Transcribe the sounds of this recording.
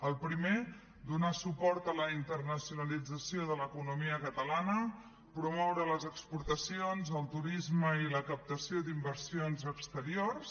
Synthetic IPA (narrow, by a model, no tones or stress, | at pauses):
əlˠpɾime | d̪unasupɔɾt̪ələint̪ərnəsiunəlid͡zəsioðələkunumiəkət̪əlanə | pɾumɔwɾələzəkspuɾt̪əsionzəlˠt̪uɾizməiləkəp̚t̪əsiod̪imbəɾsionzəkst̪əɾiors